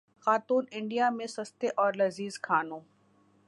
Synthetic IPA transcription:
xaːt̪uːnɪ̃ɳɖijamẽsɐst̪eʔɔːɾlɐziːzkʰaːnõː

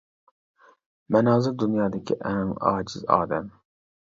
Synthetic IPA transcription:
mɛnɑːzɪɾd̪unjɑːd̪ɪkʲʰiʔɛŋɑ̰ːd͡ʒɪzɑ̰ːd̪ɛm

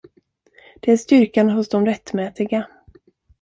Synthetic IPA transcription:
d̪̥ɛæɾʂt̪ʏɾkanaɦʊsd̪ɔmɾɛt̪ːmɛːt̪ɪɡa

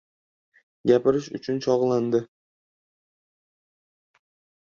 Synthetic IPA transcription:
ɡʲapɪɾɪʃʊ̰t͡ʃʰʊnt͡ʃʰɒʁlˠand̪ɪ

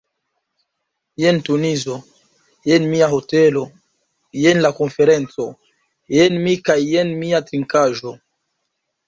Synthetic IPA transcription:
jentunizo̞ | jenmiaɦotelo | jenlako̞nfe̞ɾent͡so̞ | jenmikajenmiatɾiŋkaʒo̞

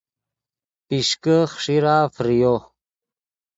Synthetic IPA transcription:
piʂkəχʂiɾaːfɾijo

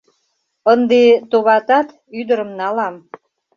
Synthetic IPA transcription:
ənd̪et̪oβɑt̪ɑt̪ | yd̪əɾəmnɑlɑm

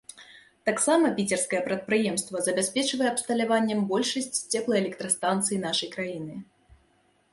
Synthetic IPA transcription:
t̪aksamɐpʲit͡sʲɛrskɐjɛpɾɐt̪̚pɾɨjɛmst̪vɐzɐbʲasʲpʲɛt͡ʂvɐjɛɐpst̪ɐlʲavanʲːɛmbɔlʲʂɐsʲt͡sʲsʲt͡sʲɛplˠɐjɛlʲɛk̚t̪ɾɐst̪ant̪sɨjin̪aʂɐjkɾajin̪ɨ

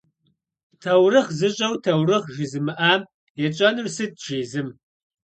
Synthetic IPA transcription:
tʰɐwrɨχzɨɕʼɐwtʰɐwrɨχʒɪzɨmɨʔaː | jɛt͡ʃʼɐnɨrsɨt̚ʒ̥eːzɨm

